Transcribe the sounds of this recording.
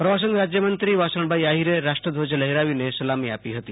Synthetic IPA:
pɾəʋas̬ənɾad͡ʒjəmənt̪ɾiʋasəɳ̃bʱaiaɦiɾeɾaʂʈɾəd̪ʱod͡ʒələɦeɾaʋinesɐlamiapiɦət̪i

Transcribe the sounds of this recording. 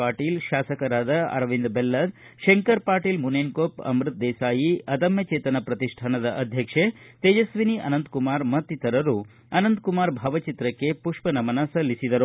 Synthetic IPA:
aːʈiːlʃaːsɐkɐɾaːd̪ɐɐ̰ɾʋind̪belːɐd̪ | ʃeŋkɐɾpaːɾʈiːlmuneːnkoːpɐ̰mɾɨt̪̚d̪ɛːsaːjiɐd̪ɐmjɐt͡ʃeːt̪ɐnɐpɾɐt̪iʂʈʰaɳɐd̪ɐʔɐd̪ʱjɐkʂet̪eːd͡ʒɐsʋiniʔɐ̰nɐnd̪kumaːɾmɐt̪ːit̪ɐɾɐɾu | ɐnɐnd̪kumaːɾbʱaːʋɐt͡ʃit̪ɾɐkːepuʂpɐnɐmɐnɐsɐlisid̪ɐɾu

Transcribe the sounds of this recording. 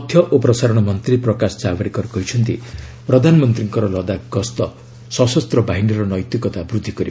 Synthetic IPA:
ɔt̪ʰjʌʔopɾɔsaɾɔɽ̃ɔmʌnt̪ɾiprɔkasd͡zabaɽikɔɾkɔɦit͡ʃʰʌnt̪iprɔd̪ʱanmʌnt̪ɾiŋkɔɾɔlɔd̪aɡɔst̪ɔ | sɔsɔst̪rɔbaɦiniɾɔnɔjt̪jikɔt̪abrud̪ʱikɔɾi

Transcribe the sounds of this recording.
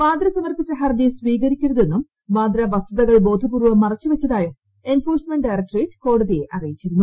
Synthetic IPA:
maːd̪ɾɐsɐmɐrpit͡ɕːɐɦɐrd̪isʋiːɣɐɾikʲːuɾɐðe̞nːumː | aːd̪ɾɐʋɐst̪uðɐɣɐɭbo̞ːd̪ʱɐbuːrʋɐmːɐrɐt͡ɕːuʋɐt͡ɕːɐðaːjɐ | e̞nfoːrsmeɳɖɐjrɐk̚ʈriːtko̞ːɽɐðijeʔɐrijit͡ɕːiɾunːu

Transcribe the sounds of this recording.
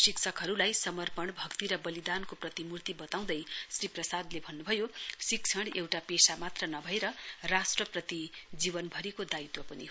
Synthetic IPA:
siksʰʌkɦʌɾulajsʌmʌrpʌɳbʱʌkt̪iɾʌbʌlid̪ankoprʌt̪imurt̪ibʌt̪aw̃d̪ʌjsriprʌsad̪lebʱʌnːubʱʌjosik̚t͡sʰʌɽewʈapesamat̪rʌnʌbʱʌeɾʌrasʈrʌprʌt̪id͡zibʌnbʱʌɾikod̪ait̪wʌpʌni

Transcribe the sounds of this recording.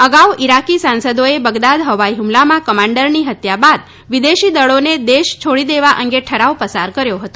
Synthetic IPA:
əɡaʋiɾakisansəd̪oebəɡd̪ad̪ɦəʋaiɦumlamãkəmãɳɖəɾniɦət̪jabad̪ | ʋid̪eʃid̪əɭoned̪eʃt͡ʃʰoɽid̪eʋaʔəŋɡeʈʰəɾaʋpəsaɾkəɾjoɦət̪o

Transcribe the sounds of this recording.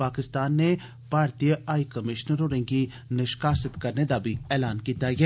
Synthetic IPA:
paːkɪst̪aːnːe | paːɾt̪ijəaːikəmɪʃnəɾoːɾẽːɡiː | nɪʃkaːsɪt̪kəɾned̪aːbʱiːɛːlaːnkiːt̪aːɡɛː

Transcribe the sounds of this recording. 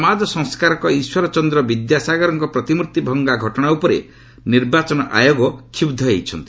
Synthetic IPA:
mad͡ʒ̪ɔsɔŋskaɾɔkɔiswɔɾɔt͡ʃɔnd̪ɾɔbid̪jasaɡɔɾɔŋkɔpɾɔt̪imuɾt̪ibʱɔŋɡaɡʱɔʈɔɽ̃aupɔɾḛ | niɾbat͡ʃɔnɔʔa̰joɡɔkʰubd̪ʱɔejt͡ʃʰɔnt̪i

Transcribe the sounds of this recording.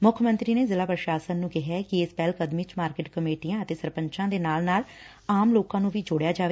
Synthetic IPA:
mʊkʰmə̃nt̪ɾiːneːzɪlaːpɾəʃaːsənːũːkɪɦɛːkɪɪspɛːlkəd̪mit͡ʃmaːɾkeːʈkəmeːʈijãːət̪eːsəɾpəɲt͡ʃãːd̪eːnaːlnaːl | aːmloːkãːnũːʋiːd͡ʒʊɽjaːd͡ʒaːʋe

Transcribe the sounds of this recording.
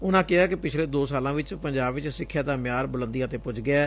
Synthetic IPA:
ʊnãːkɪaːkɪpɪt͡ʃʰleːd̪oːsaːlãːʋɪt͡ʃpəɲd͡ʒaːbʋɪt͡ʃsɪkʰːjaːd̪aːmɪjaːɾbʊlə̃nd̪ijãːt̪eːpʊd͡ʒɡɪaː

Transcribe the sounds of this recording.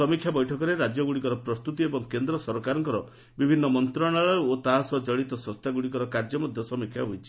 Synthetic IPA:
ɔmikʰːjabɔjʈʰɔkɔɾeɾad͡ʒjɔɡuɽikɔɾɔpɾɔst̪ut̪iebɔŋkend̪ɾɔsɔɾkaɾɔŋkɔɾɔ | bibʱinːɔmɔnt̪ɾɔɽ̃aɭɔjot̪aɦasɔd͡ʒɔɭit̪ɔsɔst̪ʰaɡuɽikɔɾɔkaɾd͡ʒɔmɔd̪ʱjɔsɔmikʰja̰ɦujt͡ʃʰi̥

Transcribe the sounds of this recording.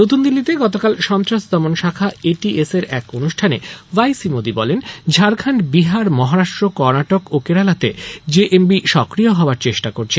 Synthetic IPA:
not̪und̪ilːit̪eɡɔt̪̬okalʃɔnt̪ɾaʃd̪ɔmonʃakʰaeʈieseɾɛkonuʃʈʰanevajsimod̪ibɔlend͡ʑʱaɾkʰaɳʈbiɦaɾmɔɦaɾaʃʈɾokɔɾnaʈokokeɾalat̪ed͡ʑeʔembiʃɔkɾioɦɔoaɾt͡ɕeʃʈakoɾt͡ɕʰe

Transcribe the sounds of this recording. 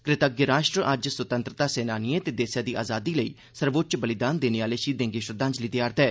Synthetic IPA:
kɾɪt̪ək̚ɡɾaːʃʈɾəʔəd͡ʒswət̪ə̃nt̪ɾət̪aːseːnaːniẽt̪eːd̪eːsjaːd̪iːʔaːzaːd̪iːləḭː | səɾʋoːt̪̚ːt͡ʃbəlɪd̪aːnd̪eːneːʋaːleːʃiːd̪ẽːŋɡeːʃɾəd̪ãːɲd͡ʒliːd̪jaːɾt̪ɛː

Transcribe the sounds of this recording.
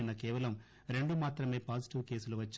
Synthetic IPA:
nɐkɛːʋɐlɐm | ɾe̞ɳɖumaːt̪ɾɐme̞ːpaːsiʈiʋke̞ːsuluʋɐt͡ʃː

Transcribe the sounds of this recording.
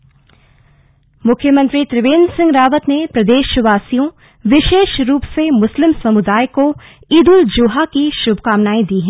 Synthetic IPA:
mʊkʰjəmə̃nt̪ɾit̪ɾɪʋeːnsɪ̃ŋɡɾaːʋət̪nepɾɐd̪eːʃʋaːsijõ | ʋɪʃeːʃɾuːpsemʊslɪmsɐmʊd̪aːjko | iːd̪ʊld͡ʒʊɦakiʃʊbkaːmnaːĩd̪iːɦɛ̃ː

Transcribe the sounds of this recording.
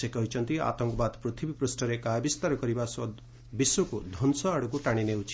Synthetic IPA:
sekɔɦit͡ʃʰɔnt̪ia̰t̪ɔŋkɔbad̪pɾut̪ʰibipɾusʈɔɾekajbist̪aɾɔkɔɾibasɔd̪ | bisokud̪ʱɔnsɔaɽɔkuʈaɽ̃ineut͡ʃʰi̥

